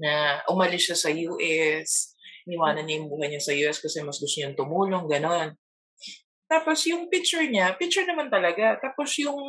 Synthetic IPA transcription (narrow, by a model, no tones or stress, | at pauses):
nɐʔʊmɐlɪsʃasɐjuːʔɛsʔɪnɪwaːnɐnɲːɐjʊŋbuːɦɐjɲɐsɐjuːʔɛskɐsɛmɐsd̪ʊsɲʊŋt̪ʊmuːlo̞ŋɡɐno̞n | t̪aːpo̞sjʊŋpɪk̚t͡ʃʊɹɲapɪk̚t͡ʃʊɹnɐmant̪ɐlɐɡat̪aːpo̞sjʊŋ